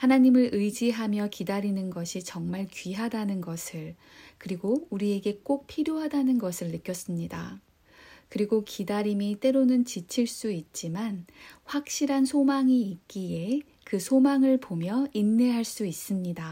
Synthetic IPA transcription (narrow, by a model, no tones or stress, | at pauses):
hanaɲimɯɾʔɯjd͡ʑiɦamjʌkidaɾinɯnɡʌɕʰit͡ɕʌŋmaɭkɥiɦadanɯnɡʌsʰɯɭ | kɯɾiɡouɾie̞ɡe̞k͈ok̚pʰiɾjoɦadanɯnɡʌsʰɯɭːɯk͈jʌs͈ɯmɲida̰ | kɯɾiɡokidaɾimit͈e̞ɾonɯnt͡ɕit͡ɕʰiɭs͈uit̚t͡ɕ͈imanɸwak̚ɕ͈iɾɦansʰomaŋiːt̚k͈ije̞ | kɯsʰomaŋɯɭpomjʌinːe̞ɦaɭs͈uis͈ɯmɲida